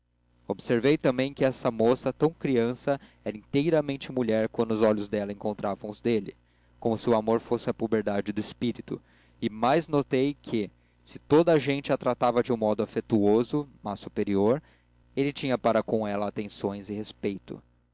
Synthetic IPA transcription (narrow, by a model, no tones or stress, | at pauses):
obseɾvejt̪ɐ̃mbẽj̃kɪɛsɐmosɐt̪ɐ̃w̃kɾiɐ̃sɐ | ɛɾɐĩnt̪ejɾɐmẽnt͡ʃɪmuʎɛɾkwɐ̃nd̪ʊzɔʎʊzd̪ɛlɐẽŋkõnt̪ɾʔavɐ̃w̃ʊzd̪elɪ̰ | kõmʊsɪʊamoɾfosɪɐpubeɾd̪ad͡ʒɪd̪ʊɪspiɾit̪ʊ̰ | ɪmajznot̪ejkʰɪ | sɪt̪od̪ɐaʒẽnt͡ʃɪat̪ɾat̪avɐd͡ʒɪũmɔd̪ʊafet̪uozʊmasːupeɾioɾ | elɪt͡ʃĩɲɐpaɾɐkõw̃ɛlɐat̪ẽsõj̃zɪhespejt̪ʊ̰